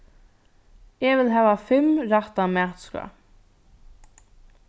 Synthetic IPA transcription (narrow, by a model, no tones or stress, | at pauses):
ɛʋɪlɦɛːʋafɪmɾaht̪amæːt̪ska̰